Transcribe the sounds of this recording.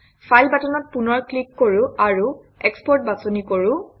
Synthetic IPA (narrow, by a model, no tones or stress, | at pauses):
pʰajlbatɔnɔt̚punɔɹklikːoɹʊ̃aɹu | ɛkspɔɹt̚basonikoɹʊ̃